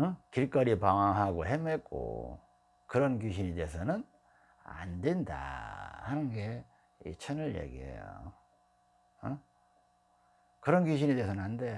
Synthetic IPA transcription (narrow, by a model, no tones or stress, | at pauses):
ɯkiɭk͈ʌɾipaŋaŋɦaɡoɦemek͈o̰ | kɯɾʌnkjuɕ̬ʰinede̞ːs̬ʰʌnɯn | a̰ndenda̰hanɯnɡe̞ | it͡ɕʰʌnɯɭjḛɡḭḛjo̰ | ʌ | kɯɾʌnɡuɕ̬ʰinedeːsʰʌnɯnɦandeo